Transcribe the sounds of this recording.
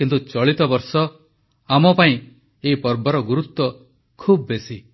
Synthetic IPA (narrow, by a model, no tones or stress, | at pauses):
kint̪ut͡ʃɔɭit̪ɔbɔɾsɔ | amɔpaĩ | eɦipɔɾbɔɾɔɡuɾut̪ːwɔ | kʰubːesi